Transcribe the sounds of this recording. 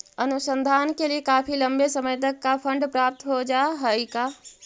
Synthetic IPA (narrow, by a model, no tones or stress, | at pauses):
ənusənd̪ʱankeliekapʰiləmbesəməjt̪̬əkːapʰəɳɖpɾap̚t̪ɦod͡ʒaeɦəjka